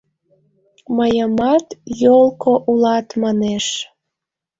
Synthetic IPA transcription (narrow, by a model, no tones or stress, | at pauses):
məjəmɑt̪jolˠkoʔulɑt̪mɑneʃ